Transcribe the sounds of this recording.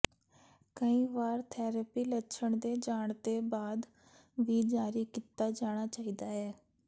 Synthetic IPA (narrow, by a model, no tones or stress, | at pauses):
kəĩːʋaːɾt̪ʰɛːɾəpiːlətːʃʰəɳd̪eːd͡ʒaːɳd̪eːbaːd̪ | ʋiːd͡ʒaːɾiːkit̪aːd͡ʒaːɽ̃aːt͡ʃaːiːd̪aːɦɛː